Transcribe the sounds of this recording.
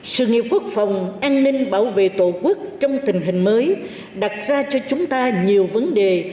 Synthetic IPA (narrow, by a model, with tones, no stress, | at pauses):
sɨ̰˧˨ŋi˨˩əp̚ku˦˥ək̚fa˨˩wŋ͡mʔaː˧nːï˧ŋ̟ɓaː˧˩wvḛ˧˨t̪o˧˩ku˦˥ək̚t͡ɕɔ˧wŋ͡mt̪ï˨˩ŋ̟ɦï˨˩ŋ̟məː˨˦j | ɗa˨˩t̚zaː˧t͡ɕɔ˧t͡ɕʊ˨˦ŋ͡mt̪aː˧ɲi˨˩əwvə˨˦nɗe˨˩